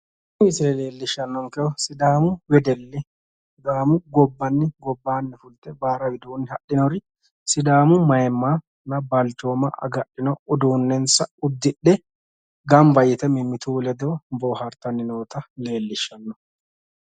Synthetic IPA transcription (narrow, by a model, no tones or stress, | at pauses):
wɪsɪlɛle̞ːlːɪʃːɐnːɔŋkɛɔsɪd̪aːmʊwɛd̪ɛlːɛ | sɪd̪aːmʊɡɔbːɐnːɪɡɔbːaːnːɪfʊlt̪ɛbaːɾɐwɪd̪uːnːɪhɐʔɪnɔɾɪ | sɪd̪aːmʊmɐjɛmːaː | nɐbɐlt͡ʃːoːmɐ̰ʔɐ̰ɡɐʔɪnɔʊd̪uːnːɛnsɐʊd̪ːɪɗːɛ | ɡɐmbɐjɪt̪ɛmɪmːɪt̪uːlɛd̪oːboːhɐɾt̪ɐnːɪnoːt̪ɐle̞ːlːɪʃːɐnːɔ